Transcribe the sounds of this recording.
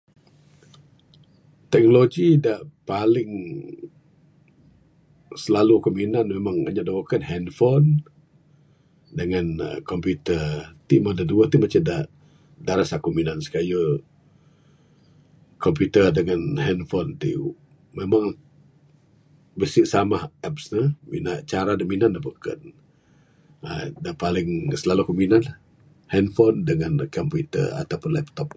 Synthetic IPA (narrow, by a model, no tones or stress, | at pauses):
t̪ɛk̚noloɡidaʔpalɪŋ | səlalukominanmemaŋa̰ɲaʔdawokanɦɛnfɔn | dəŋan̰kɔmpjut̪ət̪imadəduət̪imat͡ʃadaʔ | daɾasakominansə̥kajə | kɔmput̪ədəŋanhɛnfɔnt̪ḭ | memaŋ | bəsiʔsamahɛpsnəmḭnaʔt͡ʃaɾadaʔminandabukə̰n | ə̰daʔpalɪŋsəlalukominan | hɛnfɔndəŋankɔmput̪ə̰a̰t̪awpʊnlɛp̚t̪ɔp̚